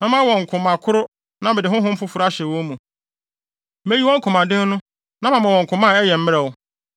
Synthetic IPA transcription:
mã˨mã˦wɔ̃˨ŋ̩˨kʰʊ̃˨mã˨kʰʊ˦ɾʊ˦ | nã˦bɛ˨dɪ˨ɦʊ̃˦ɦʊ̃˦m̩˦fʊ˦fʊ˨ɾa˦ɕɛ˨wɔ̃˦mũ˨ | me˦ji˦wɔ̃˦ŋ˦kʰʊ̃˨mã˨dɪ̃˦n˦nʊ̃˦ | nã˦mã˨mã˨wɔ̃˨ŋ̩˨kʰʊ̃˨mã˦˨ɛ˦jɛ˨m̩˦mɪ̃˦ɾɛ˨wʊ˦

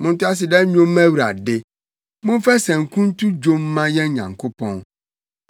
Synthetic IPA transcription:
mʊ̃˦n̩˦tʊ˦a˦s̬ɪ˨dɛ˦ɲᶣõ˦mː˦ɛ̃˦wɾa̰˨dɪ˨ | mʊ̃˦n˦fɛ˦sɛ̃˨ŋ̩˨kʰũ˦n̩˦tu˦d͡ʒo˦m˦mã˦jɛ˦ɲã̰˨ŋkʰo˦pʰɔ̃˦n

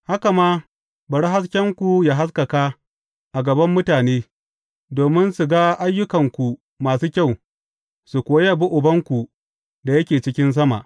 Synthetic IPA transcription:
ha˦ka˨maː˦ | bɐ˨ɽa˦ɦa˦s̬kʲɐ˦ŋkʷu˨jaː˨ɦa˦skɐ˨ka˦ | ʔa˨ɡɐ˨bɐ˦mːʊ˦taː˨neː˦ | doː˨mɪ˦nsu˨ɡa˦ʔa˦jːʊ˦kɐ˨ŋkʷu˨ | maː˨suː˦kʲa˦˨w | su˨kʷoː˨a˦ja˦˨bu˦ʔʊ˨bɐ˦ŋkʷu˨ | da˨jɐ˦kʲeː˨t͡ʃɪ˦kʲɪ˦ns̬ɐ˦ma̰˨ʔ

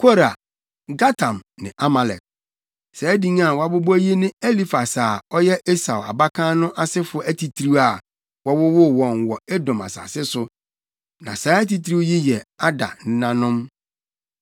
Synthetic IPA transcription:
kʰo˦ɾa˨ | ɡa˦tʰã˨mnɪ̃˨ʔa˦ma˨lɛ̰˨t̚ | sɛ˨˦dĩ˦ŋ˦a˦˨wɔ˨˦a˦bo˦bo˦æ˦ji˦nɪ̃˦e˦li˦fa˨saː˨ɔ˦jɛ˦ʔe˦sa˨wa̰˨ba˦kʰãː˦nʊ̃˦ʔa˨sɪ˦fʊ˦ɔ˦æ˦tʰi˨tʰɾi˦a˨ | wɔ˦wʊ˦wʊ˦wɔ̃˨nwɔ˨ɛ˦dɔ̃˨ma̰˨sa̰˨sɪ˦sʊ˦ | nã̰˨saː˨˦æ˦ti˦tʰɾi˦ji˦jɛ˨a˦da̰˨n̩˦nã˦nʊ̃˦m

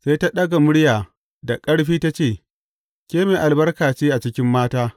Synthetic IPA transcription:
seː˦ta˦ɗɐ˦ɡa˨mʊ˦ɽjaː˨ | da˨kʼɐ˦ɽɸiː˦ta˦t͡ʃeː˦˨ | kʲeː˦meː˨ʔa˨lbɐ˦rkaː˨t͡ʃiː˦ʔa˨t͡ʃɪ˦kʲɪ˦mːaː˦taː˦

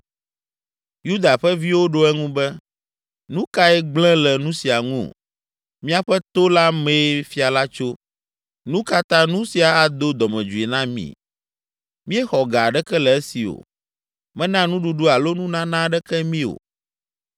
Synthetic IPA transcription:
ju˦d̪a˨ɸɛ˦vi˦wo˦ɖo˦ɛ˦ŋũ˦bɛ˦ | nũ˦ka˦ɛ˦ɡ͡blɛ̃˦lɛ˨nũ˦si˨a˨ŋũ˦o̰˨ | mĩ˦a˨ɸɛ˦t̪o˦la˦mɛ̃˦fi˦a˨la˦t͡ʃo˦ | nũ˦ka˦t̪ã˦nũ˦si˨a˨a˦d̪o˦d̪ɔ˨mɛ̃˨d͡ʒu˨e˨nã˦mḭ̃˦ | mĩ˦ɛ˦xɔ˨ɡa˨ɖɛ˦kɛ˦lɛ˨ɛ˦si˨o̰˨ | mɛ̃˦nã˦nũ˦ɖu˨ɖu˦a˨lo˦nũ˦nã˦nã˦ɖɛ˦kɛ˦mĩ˦o̰˨

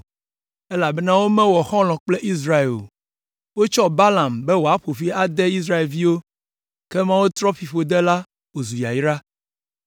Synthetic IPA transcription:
ɛ˦la˨bɛ˦nã˦wo˦mɛ̃˦wɔ˨xɔ̃˦lɔ̃˨k͡plɛ˦ʔi˦s̬ɾa˦e˨lo̰˨ | wo˦t͡ʃɔ˦ba˦la˨mbɛ˦wo˨a˦ɸo˨fi˦a˦d̪ɛ˦i˦s̬ɾa˦e˨lvi˦wo˦ | kɛ˦mã˦wo˦t̪ɾɔ˦fi˨ɸo˨d̪ɛ˦la˦ | wo˨zu˨ja̰˨ji˦ɾa˦

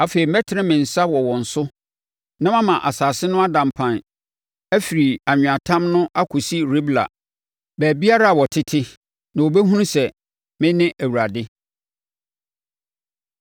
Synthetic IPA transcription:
a˨feː˨ɾi˨mɛ˦tʰɪ˨˦ɪ̃˦mɪ̃˨n̩˨sa˦wɔ˨wɔ̃˨n̩˨sʊ˦ | nã˦mã˦mã˨ʔa˨saː˨sɪ˦nʊ̃˦a˦dã˨m˨pʰã˨n | æ˦fi˨ɾi˨a˨ɲ̃ᶣ˨a˨tʰã˦mnʊ̃˦ʔa˦kʰʊ˨si˦ɾe˦bla̰˨ | bæː˨bi˦a˦ɾa˦a˨wɔ˨tʰɪ˦tʰɪ˦ | nã˨wo˨bɛ˦ɦũ˦ñ˦sɛ˨ | mɪ̃˦nɪ̃˦ʔæ˨wu˨ɾa˨dɪ˦

